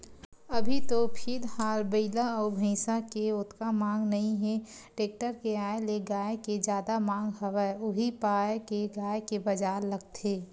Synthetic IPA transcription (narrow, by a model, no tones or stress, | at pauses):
ɐbʱit̪opʰɪɾhaːlbəɪlaɔːɾbʱə̃ɪsãkeʊt̪kamãːŋɡnɐɦĩɦɛ̃ | ʈeːk̚ʈəɾkeaːeleɡaːeked͡ʒjaːd̪amãːŋɡɦɐwəeʊɦipaːjekeɡaːekebɐd͡ʒaːɾləɡ̚t̪ʰeː